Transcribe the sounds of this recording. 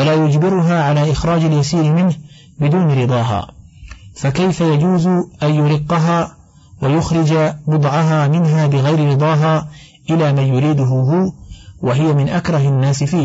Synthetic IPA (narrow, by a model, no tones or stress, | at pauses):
walaːjʊd͡ʒbɪɾʊɦaːʕalaːʔɪxɾˤɑːd͡ʒaljasiːɾɪmɪnh | bɪd̪uːnɾɨd̪ˤɑːɦa̰ː | fakajfajad͡ʒuːzʊʔanjʊɾɪqːɑɦaː | wajʊxɾˤɪd͡ʒabʊd̪ˤʕɑɦaːmɪnɦaːbɪɣajɾɪɾɨd̪ˤɑːɦaː | ʔɪlaːmanjʊɾiːd̪ʊɦʊɦʊwaɦɪjamɪnʔakɾˤɑhanːaːsɪfiː